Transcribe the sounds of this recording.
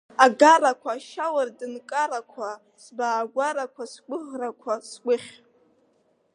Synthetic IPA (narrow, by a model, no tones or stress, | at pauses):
aɡarakʷʰaːʃawardɨnkʼaɾakʷʰa | sbaːɡʷaɾakʷʰasɡʷʼʊʁrakʷʰasɡʷʼʊχʲ